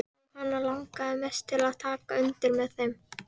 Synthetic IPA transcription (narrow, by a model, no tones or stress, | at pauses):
hanːalawŋkaðɪmɛst̪ʰɪlaðt̪ʰaːkaʏnt̪ɪlmɛðθejm